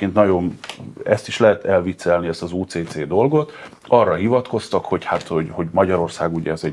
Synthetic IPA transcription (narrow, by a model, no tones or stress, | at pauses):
eːnt̪nɒjo̞nɛst̪iʃlɛɦɛt̪ɛlvit̪sɛlniɛst̪ɒzuːt̪seːt̪seːd̪o̞lɡo̞t̪ | ɒrːɒɦivɒt̪ko̞st̪ɒkho̞chat̪ho̞ɟho̞ɟmɒɟɒɾo̞rsaːɡuɟɛ̰ɛzɛ